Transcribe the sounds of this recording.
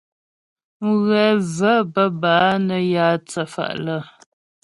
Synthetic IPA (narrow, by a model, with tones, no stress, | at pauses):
ɣɛ˨və˦bə˦baː˨˦nə˨jaː˦t͡sə˦fa̰˨ʔlə˦˨